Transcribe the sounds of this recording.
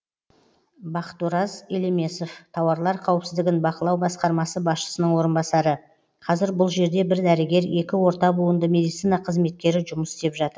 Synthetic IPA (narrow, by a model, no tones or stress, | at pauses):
bɑqə̥t̪uɾɑzeleme̞so̞ft̪ʰɑwɑɾlˠɑɾqʰɑwəpsɪzd̪ɪɡʲɪnbɑqəlˠɑwbɑsqɑɾmɑsəbɑsʃə̥sənəɴwo̞ɾənbɑsɑɾə | qʰɑzɪɾbʊlˠʒe̞ɾd̪e̞bɪɾd̪æɾɪɡʲe̞ɾe̞kʲɪwo̞ɾt̪ɑbuwənd̪əme̞d̪ijt̪sijnɑqʰəzme̞t̪̚kʲe̞ɾɪʒʊməsɪ̥st̪e̞pʒɑt̪əɾ